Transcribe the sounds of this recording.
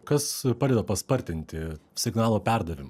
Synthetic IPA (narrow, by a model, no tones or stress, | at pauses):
kɐspɑːd̪ʲeːd̪ɐpɐspɐɾʲt̪ʲɪnʲt̪ʲɪsʲɪɡnɑːlˠoːpʲɛɾd̪ɐʋʲɪmɐ